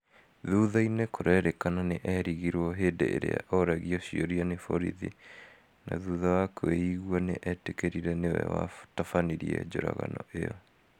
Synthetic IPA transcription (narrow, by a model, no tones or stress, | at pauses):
ðuðainekoɾɛɾekananeʔɛɾiɣiɾwɔɦeːdeḛɾḛa̰ʔɔɾɛɣiɔɕioɾianefoɾḭðḭ | naðuðawakeiɣwaneʔɛtekeɾiɾɛnewɛwa̰tafaniɾiɛd͡ʑoɾaɣa̰nɔʔeɔ